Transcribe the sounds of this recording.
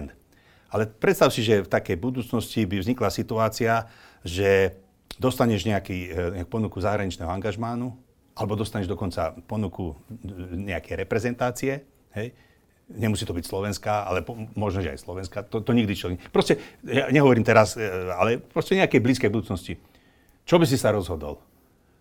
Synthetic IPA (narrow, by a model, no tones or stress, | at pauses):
n | alɛpɾɛt̪st̪aʊsiʒɛft̪akɛjbud̪uːt͡snɔscibivzɲiklasit̪uaːt͡siaʒɛ | d̪ɔst̪aɲɛʒɲɛakiːɛakpɔnukuzaɦɾaɲit͡ʃnɛːɦɔaŋɡaʒmanu | ʔalɛbɔd̪ɔst̪aɲɛʒd̪ɔkɔnt͡sa̰pɔnuku | ɲɛakɛjɾɛpɾɛzɛnt̪aːt͡siɛ | ɦɛj | ɲɛmusiːt̪ɔbicslɔʋɛnskaa̰lɛpɔmɔʒnɔʒɛa̰jslɔʋɛnskat̪ɔt̪ɔɲiɡd̪it͡ʃɛlɡɲɛpɾɔscɛjaɲɛɦɔʋɔɾiːmt̪ɛɾasalɛpɾɔscɛɲɛakɛjbliːskɛjbud̪uːt͡snɔsci | t͡ʃɔbis̬isaɾɔzɦɔd̪ɔ̰l